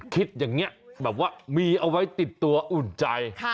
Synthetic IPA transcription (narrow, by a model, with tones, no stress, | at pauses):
kʰi˦˥t̪̚ɲa˨˧˩ŋːi˦˥bɛː˨˩p̚waː˦˧˩miː˧ʔa˧wa˦˥jt̪i˨˩t̪ːu˧ɐʔu˨˩nt͡ɕa˧j